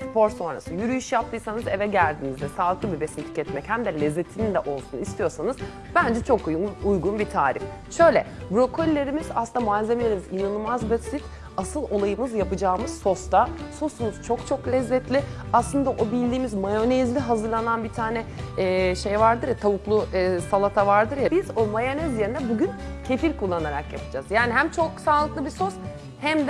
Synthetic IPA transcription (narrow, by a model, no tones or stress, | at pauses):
spʰo̞ɾso̞nɾa̰sɯjyɾyjyʃjap̚t̪ʰɯːsanɯzevɛɟælʲd̪inizd̪ɛsaːlˠɯklˠɯbibe̞simt̪ʰi̥cɛt̪mɛchæmd̪ɛlʲɛzːet̪ʰinind̪ɛʔo̞lˠsunist̪ʰijo̞ɾsanɯz̥ | b̥ænd͡ʒɛt͡ʃʰo̞kujujɡunbit̪ʰaːɾif | ʃø̞jlʲɛ̰bɾo̞kʰo̞lʲːe̞ɾimiz̥aslɯnd̪amualʲzemelʲeɾimizinanɯlˠmazbasit̪ | asɯlˠo̞lˠajɯmɯzjapɯd͡ʒaːmɯz̥so̞st̪ʰaso̞sumuz̥t͡ʃʰo̞kt͡ʃʰo̞klʲɛzːɛt̪lʲɪaslˠɯnd̪aʔobilʲd̪iːmizmajo̞nezlʲiɦazɯɾlˠananbit̪ʰaːnɛɛːʃejvaɾd̪ɯɾt̪ʰaβuklˠusalˠat̪ʰavaɾd̪ɯɾjabizomajonɛzjeɾind̪ɛbuɟyncʰe̞fiɾkʰulˠːanaɾakjapɯ̥d͡ʒaz̥jaːniɦæmt͡ʃʰo̞ksaːlˠɯklˠɯbiso̞s | hæmd̪